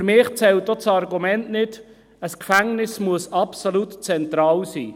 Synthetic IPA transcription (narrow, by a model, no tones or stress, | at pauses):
ɾmɪːχt͡sɛlt̚ːɔt͡sɑɾɡumɛntnɪd | əskfæŋnɪsmuəsɑpsolutt͡sɛnt̪ɾɑːlsiː